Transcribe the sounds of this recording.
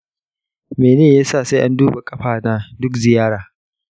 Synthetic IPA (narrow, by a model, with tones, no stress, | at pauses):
meː˨neː˦˨jaː˦sa˦˨sa˦ʔa˦nduː˦ba˨kʼɐ˦ɸaː˨naː˦dʊ˦kzɪ˨jaː˦ɽaː˨